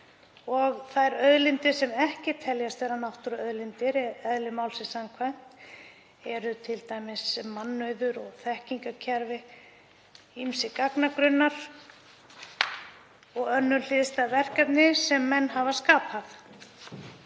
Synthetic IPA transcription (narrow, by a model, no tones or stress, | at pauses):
ɔɣθaðɛɾœðlɪnt̪ɪsɛmɛhcɪt̪ʰɛljast̪vɛɾanawht̪ʏɾœðlint̪ɪɾɛɛðlɪmawlsɪsamkʰvajn̥t̪ | ɛɾʏt̪ʰɪlt̪aːjmɪsmanːœɥðʏɾɔɣθɛhciŋkacʰɛɾvɪ | imsɪkaknakɾʏnːaɾ̥ | ɔɣœnːʏɾl̥ɪðst̪avɛr̥kat̪nɪsɛmːɛnːɦaːvaskaːpaθ